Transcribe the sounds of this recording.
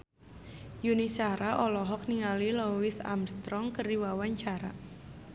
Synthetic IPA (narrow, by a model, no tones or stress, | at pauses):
junisaɾaʔɔlɔɦɔk̚niŋalilowɪsa̰mst̪ɾɔŋkərdiwawaɲt͡ʃaɾa̰